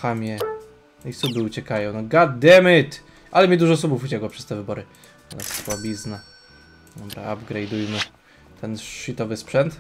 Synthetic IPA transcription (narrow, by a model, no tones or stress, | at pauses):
xamʲjɛ | nisubɘut͡ɕɛkajɔ̃w̃nɔɡad̪ɛmɘt̪ | ʔalɛmʲid̪uʐɔsubufut͡ɕɛkwɔpʂɛ̥st̪ɛvɘbɔɾɘ | a̰laswabʲizna | d̪ɔbɾa̰abɡɾɛjd̪ujmɘ | t̪ʰɛnʂit̪ɔvɘspʂɛnt̪